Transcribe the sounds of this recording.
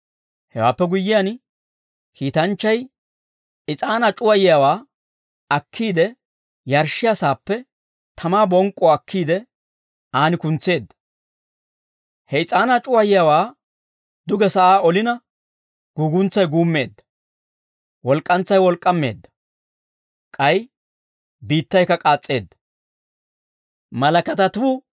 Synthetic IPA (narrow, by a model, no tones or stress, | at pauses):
hɛwa̰ːpːɛɡʊjːɪjan | kʰiːt̪ɐnt͡ʃːɐj | ɪt͡sʼaːnat͡ʃʼʊwɐjɪjawaː | ɐkʰːiːd̪ɛ | jɐɾʃɪjasaːpːɛ | t̪ʰɐmaːbɔŋkʼːɔɐkʰːiːd̪ɛ | ʔaːnɪkʊnt͡sːe̞ːd̪ːɐ̥ | hɛjt͡sʼaːnaːt͡ʃʼʊwɐjɪjawaː | d̪ʊɡɛsɐʔaːɔlɪnɐ | ɡ̥uːɡʊnt͡sːɐjɡuːmːe̞ːd̪ːɐ̥ | wɔlkʼːɐnt͡sːɐjwɔlkʼːɐmːe̞ːd̪ːɐ̥ | kʼɐj | biːt̪ːɐjkːɐkʼaːt͡sʼːe̞ːd̪ːɐ̥ | mɐlɐkɐt̪ɐt̪uː